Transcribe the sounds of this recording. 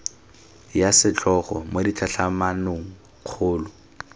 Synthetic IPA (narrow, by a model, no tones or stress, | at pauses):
jasɪt͡ɬʰʼɔχɔ̰moditʰaɬʰamanoŋ̩ | q͡χʰʊːlʊ